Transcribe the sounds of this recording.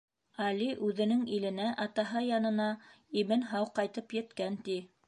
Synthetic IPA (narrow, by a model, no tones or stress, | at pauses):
ɑliʔʉðɘ̆nɘŋilɘ̆næʔɑt̪ɑɦɤjɑnɤ̆nɑ | imɘnɦɑwqɑjt̪ɤpjɘ̆t̪kænt̪i